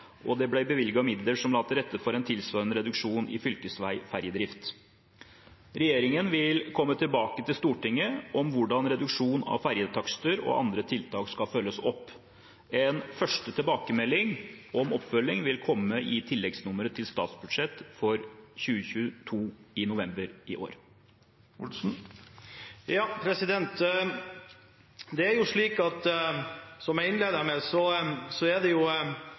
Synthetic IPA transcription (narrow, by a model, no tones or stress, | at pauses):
ʔɔd̪ɛblæɪbəʋɪlɡɑmɪd̪ləʂɔmlɑːt̪əɾɛt̪ːəfɔɾɛnt̪ʰɪlsʋɑːɾənəɾɛd̪ʉkʂuːnɪ̰fʏlkəsʋæɪfæɾjəd̪ɾɪft̪ | ɾɛjeːɾɪŋənʋɪlkʰɔmːət̪ʰɪlbɑːkət̪ʰɪlst̪uːʈɪŋːəʔɔmʋʊɖɑnɾɛd̪ʉkʂuːnɑ̰ʋfæɾjət̪ʰɑkst̪əɾɔ̰ʔɑ̰nd̪ɾət̪ʰɪlt̪ʰɑːkskɑfœlːəsɔpː | ɛnfœʂʈət̪ʰɪlbɑːkəmɛlːɪŋɔmɔpːfœlːɪŋʋɪlkʰɔmːəʔɪt̪ʰɪlːɛɡsnʊməɾət̪ʰɪlst̪ɑ̰ːt̪sbʉd̪ʂɛt̪ːfɔɾçʉːəçʉt̪ʰuːɪnʊʋɛmbəɾɪʔo̰ːɾ | jɑpʰɾɛsɪd̪ɛnt̪ | d̪ɛæɾjʊʂɭiːkɑt̪ | sɔmjæɪɪnleːd̪əmesɔsɔæd̪ɛjʊ